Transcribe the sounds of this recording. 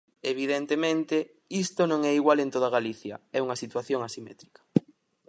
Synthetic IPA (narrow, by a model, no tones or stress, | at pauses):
eβ̞iðent̪emẽnt̪e | ist̪onõŋɛiɣwalent̪oðɐɣaliθjɐ̰ɛuŋɐsit̪waθjoŋasimɛ̰t̪ɾikɐ̥